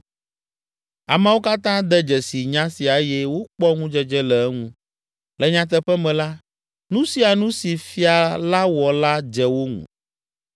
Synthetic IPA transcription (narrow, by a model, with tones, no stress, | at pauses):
a˨mɛ̃˦wo˦ka˦t̪ã˦d̪ɛ˦d͡ʒɛ˨si˨ɲã˦si˨a˨e˦jɛ˦wo˦k͡pɔ˦ŋũ˦d͡ʒɛ˦d͡ʒɛ˦lɛ˨ɛ˦ŋũ˦ | lɛ˨ɲã˨t̪̬ɛ˦ɸɛ˦mɛ̃˨la˦ | nũ˦si˨a˨nũ˦si˨fi˦a˨la˦wɔ˨la˦d͡ʒɛ˨wo˦ŋṵ̃˨